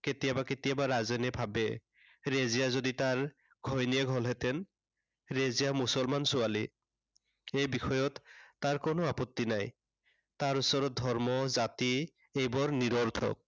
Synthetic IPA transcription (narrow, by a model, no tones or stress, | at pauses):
ket̪ijabaket̪ijabaɹazɛnɛbʱabɛ̰ | ɹezijazoditaɹ | ɡ̥ʱɔjnijɛɡʱɔlɦɛt̪ɛn | ɹezijamusɔlmansuali | ejbixɔjɔt̪ːaɹkonoapɔt̪ːinaj | taɹusɔɾɔd̪ʱɔɹmɔzati | ejbɔɹniɾɔɹt̪ʰɔ̰k̚